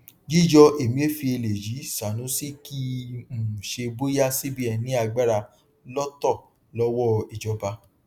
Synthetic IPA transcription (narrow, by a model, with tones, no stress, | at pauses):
d͡ʒi˦˨d͡ʒɔ˧ʔe˨mĩ˧˦e˦fi˧e˧le˨ji˨˦sa˨nũ˨˦si˦ki˦m̩˨ʃe˧bo˦ja˦si˦bi˦ɛ˧nĩ˨˦a˧ɡ͡ba˦ɾa˧ | lɔ˦tɔ˦˨ | lɔ˦wɔ˦i˨d͡ʒɔ˨˧ba˧